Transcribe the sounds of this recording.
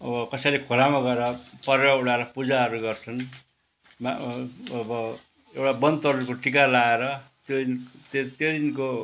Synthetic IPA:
ʌbʌkʌsʌjlekʰolamaɡʌeɾʌpʌɾeɾʌuɽaɾʌpud͡zaɦʌɾuɡʌrt͡sʰʌn | maʌbʌ | ewʈabʌnd̪t̪ʌɾkoʈikalaeɾʌt̪jont̪t̪jod̪inko

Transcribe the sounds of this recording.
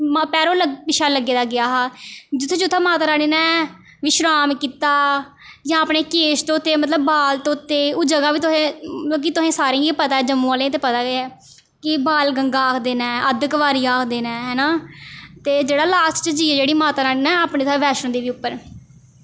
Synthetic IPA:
mpɛːɾoːləʋɪʃaːləɡːeːd̪aːɡɪjaːɦaːd͡ʒɪt̪ʰːẽːt͡ʃʊt̪ʰːẽːmaːt̪aːɾaːniːnɛː | ʋɪʃɾaːmkiːt̪aː | jãːəpneːkeːst̪õːt̪ːeːmət̪̬ləbːaːlt̪õːt̪ːeːoːd͡ʒəɡaːʋiːt̪ʊsẽːk̬it̪ʊsẽːsaːɾẽːeːpət̪aːɛːd͡ʒəmːũːaːlẽːt̪̬eːpət̪aːɡeɛː | kɪbaːlɡəŋɡaːkʰd̪eːnɛ̃ːəd̪əkʋaːɾiːaːkʰd̪eːnɛːɦɛːnaːt̪eːd͡ʒeːɽaːlaːstt͡ʃəd͡ʒiːd͡ʒeːɽiːmaːt̪aːɾaːniːnɛːaːpneːsaːʋɛːʃəñd̪iːʋiːʊpːəɾ

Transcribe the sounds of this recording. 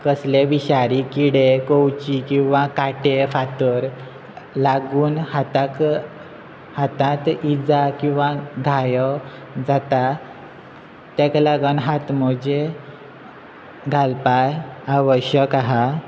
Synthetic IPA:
kəsleʋiɕaɾikiɽekowt͡ɕikĩw̃ʋãkaʈefat̪əɾ | laɡuːnhat̪ak | hat̪ãt̪id͡zakĩw̃ʋãɡʱajə | d͡zat̪a | t̪ɛklaɡənɦat̪mɔd͡ʑe | ɡʱalpajaʋəɕjəkaɦa

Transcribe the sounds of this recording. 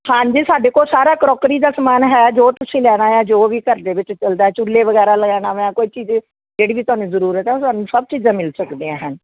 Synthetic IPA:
hãːɲd͡ʒiːsaːɖeːkoːsaːɾaːkɾɔːkɾiːd̪aːsəmaːnɦɛːd͡ʒoːt̪ʊsĩːlɛːɽ̃aːjɛ̃ːd͡ʒoːʋiːkəɾd̪eːʋɪt͡ʃt͡ʃəld̪aːɛːt͡ʃʊlːeːʋəɡɛːɾaːləɡɛːñaːʋɛ̃ːkoːiːt͡ʃiːz | d͡ʒeːɽiːʋiːt̪ʊaːnũːzəɾuːɾət̪ɦɛːt̪ʊaːnũːsəb̚t͡ʃiːzãːmɪlsəkd̪eːãːɦən

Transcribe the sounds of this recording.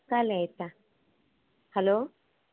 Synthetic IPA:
kalɛːt̪a | hɐloː

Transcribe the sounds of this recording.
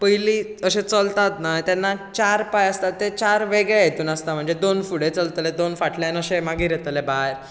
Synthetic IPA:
pəjliːəɕẽt͡səlt̪at̪nat̪janːat͡ɕaɾpajəst̪at̪ːet͡ɕaɾʋeɡɭejet̪uːnəst̪am̤əɳd͡zed̪onfuɽet͡səlt̪led̪onfaʈljanəɕẽmaɡiːɾjet̪lebaɾ

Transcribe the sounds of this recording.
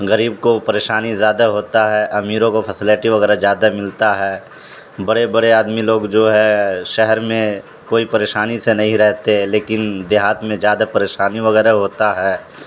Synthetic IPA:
ɣəɾiːbkopɐɾeːʃaːnizjaːd̪aɦoːt̪aɦɛʔɐmiːɾõkopʰəsɪlɪʈiʋɐɣɛːɾazjaːd̪amɪlt̪aɦɛː | bɐɽebɐɽeaːd̪miloːɡd͡ʒoːɦɛ̃ʃɛɦɛɾmẽ | koːipɐɾeːʃaːnisenɐɦĩɾɛɦt̪eleːkɪnd̪eɦaːt̪mẽzjaːd̪apɐɾeːʃaːniʋɐɣɛːɾaɦoːt̪aɦɛː

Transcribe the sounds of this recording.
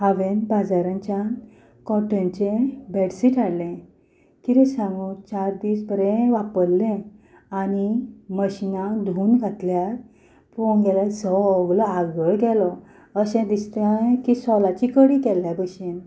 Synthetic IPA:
ɦaʋenbad͡zaɾãɲt͡ɕjan | kɔʈə̃nt͡ɕebɛɽsiʈʰaɽlɛ̃ | kiɾɛsãŋɡut͡ɕaɾd̪iːsbəɾɛ̃ʋapəɽlɛ̃ | animəɕinãd̪ʱuːnɡʱat̪ljaɾ | pɔ̃ŋɡɛlad͡zɔɡlɔaɡəɭɡɛlɔ | əɕɛ̃d̪ist̪akisɔlat͡ɕikəɽikɛlːabəɕen

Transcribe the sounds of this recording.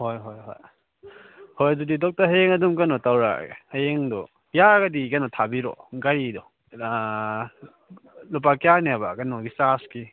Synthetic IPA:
hojɦojɦo̰j | hojɐdudidɔk̚taɦeŋɐdumkɐnɔtawɾa̰ḛhɐjeŋdɔ | jaɡɐdikɐnɔtʰabiɾɔ̰ɡaɾidɔ | lup̬akijaneabakɐnɔɡisaski

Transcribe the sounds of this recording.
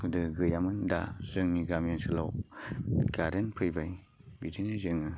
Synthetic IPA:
hɯdɯɡɯjamɯnda̰zɯŋniɡamensɯlaw | ɡaɾenpʰɯjbaj | bidinɯzɯŋɯ

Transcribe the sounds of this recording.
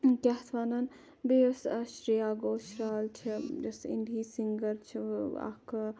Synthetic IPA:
kɐɦt̪ʰʋaːnɐn | besɐʃɾijaːɡoːʃɾaːlt͡ʃʰid͡ʒɐsḭnd̪ʱiːsiŋɡəɾt͡ʃʰiɐ̰k

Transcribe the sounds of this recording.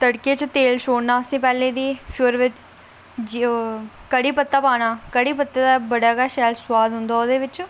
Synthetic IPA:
t̪əɽkeːt͡ʃt̪eːlʃʰoːɽnaːəsĩːpɛːlẽːd̪iːpʰjuːɾʋɪt͡ʃ | d͡ʒikəɽiːpət̪ːaːpaːɽ̃aːkəɽiːpət̪ːaːd̪aːbəɽaːkaːʃɛːlswaːd̪ɦʊnd̪aːoːd̪eːʋɪt͡ʃ

